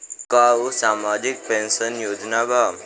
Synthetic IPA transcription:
kausamad͡ʒik̚pensʌnjod͡ʒnabʱa

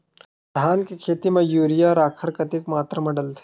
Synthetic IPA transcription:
d̪ʱaːnkikʰeːt̪imẽjuːɾijaɔːɾaːkʰəɾkɐt̪ikmaːt̪ɾəmɐɽəlt̪ʰe̥

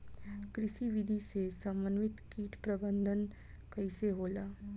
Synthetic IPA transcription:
kɾɪʃiʋɪd̪ʱisesɐ̃mbənʋɪt̪kiːʈpɾɐbə̃nd̪ʱən | kɐɪseɦoːlaː

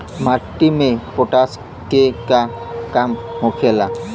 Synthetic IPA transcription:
maʈːimepoʈas | kekakamɦokʰela

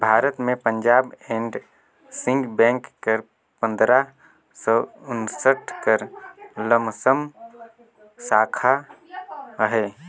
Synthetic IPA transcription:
bʱaːɾət̪mẽpə̃ɲd͡ʒaːbeːɳɖ | sɪ̃ŋɡbɛ̃ːŋkːəɾ | pə̃nd̪ɾa | sɔːʊnsəʈʰkəɾləmsəm | saːkʰa | ɦɛː

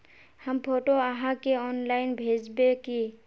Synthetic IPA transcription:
həmpʰoːʈoəɦãkeɔnlaɪnbʱeːd͡ʒbeki

